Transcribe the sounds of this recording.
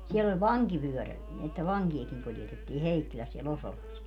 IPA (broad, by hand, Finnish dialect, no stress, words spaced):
sielː olʲ ʋɑŋkiʋyøræl etːæ ʋɑŋkiɑkiŋ kuljetetːiː heikːilæs siel osolɑs